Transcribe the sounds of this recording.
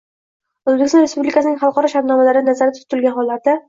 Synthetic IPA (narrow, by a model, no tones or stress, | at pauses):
ɵzbekʲɪst̪ɒnɾespublɪkʰasɪnɪŋχɑlˠqɒɾɒʃaɾt̪nɒmalaɾɪnazaɾat̪ʰʊ̥t̪ɪlɡʲanɦɒlˠat̪̚d̪a